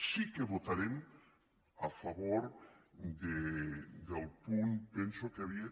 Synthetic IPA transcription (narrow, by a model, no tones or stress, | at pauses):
sikeβot̪aɾem | afaβoɾd̪ed̪elˠpuŋpensokeaβia